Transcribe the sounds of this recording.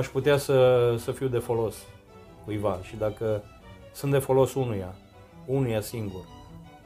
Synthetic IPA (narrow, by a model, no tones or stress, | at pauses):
aʃput̪easəsəfiwd̪e̞fo̞lo̞s | kujvaʃid̪akə | sɨnt̪d̪e̞fo̞lo̞sunuja | unujasiŋɡur